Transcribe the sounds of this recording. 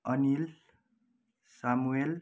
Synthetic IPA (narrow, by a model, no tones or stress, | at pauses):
ʌnil | samuel